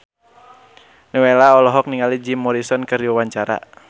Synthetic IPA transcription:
nɛwelaɔlɔɦɔk̚niŋalid͡ʒimːɔɾisɔnkɨriwawaɲt͡ʃaɾa̰

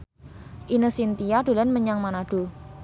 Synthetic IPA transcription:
ʔinəsint̪ijaɖ̥̪o̤lɛnməɲaŋmanaɖ̥u

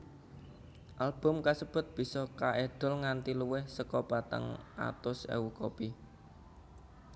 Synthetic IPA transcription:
ʔalb̥ʊ̤mkasəb̥ʊ̤t̪̚b̥i̤sɔkaʔeɖ̥ɔ̤lŋant̪iluwɪhsəkɔpat̪ə̰ŋʔa̰t̪ʊsḛwukopi

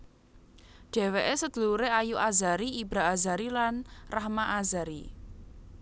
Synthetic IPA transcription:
ɖ̥ɛ̤weʔesəd̪̥ə̤luɾeajuʔazaɾiːbɾa̤ːzaɾilanrahmaʔazaɾi

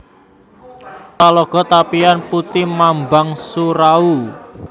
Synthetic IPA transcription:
talɔɡ̥ɔ̤t̪apianput̪imambaŋsuɾau

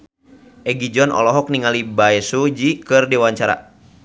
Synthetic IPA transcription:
ʔɛɡid͡ʒɔnɔ̰lɔɦɔk̚niŋalibaɛsud͡ʒikɨrdɛwaɲt͡ʃaɾa̰

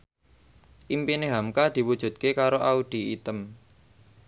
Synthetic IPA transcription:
ʔimpineɦamkad̪̥i̤wud̥ʒ̥ṳt̪̚kekaɾoʔaud̪̥i̤it̪əm

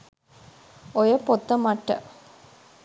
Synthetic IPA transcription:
ojəpot̪ːəmɐʈːə̰

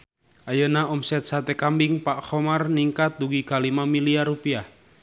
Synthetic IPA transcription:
ʔajənaɔmsɛt̪̚sat̪ɛkambɪŋpaʔxɔmarniŋkat̪̚duɡikalimamiliaɾupia

